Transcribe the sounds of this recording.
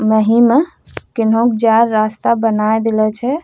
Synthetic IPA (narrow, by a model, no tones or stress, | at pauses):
məɦime | kɪnɦõkd͡ʒaɾːast̪abənaed̪elɛt͡ʃʰɛ